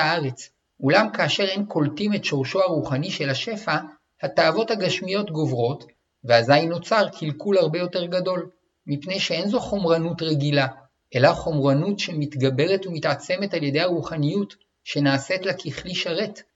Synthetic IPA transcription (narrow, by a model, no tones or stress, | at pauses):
aaʁe̞t͡s | ʔulamkaːʃe̞ʁenkʰo̞ltime̞tʃo̞ʁʃoaʁuχaniʃe̞lhaʃe̞fa | hataːvo̞thaɡaʃmijo̞tɡo̞vʁo̞t | veazajno̞t͡saʁkʰilkulhaʁbe̞jo̞te̞ʁɡado̞l | mipne̞jʃee̞nzoχo̞mʁanutʁeɡila | ʔe̞laχo̞mʁanutʃe̞mitɡabe̞ʁe̞tumitʕat͡se̞me̞talje̞de̞jhaʁuχanijut | ʃe̞naːsetlekʰiχliʃaʁe̞t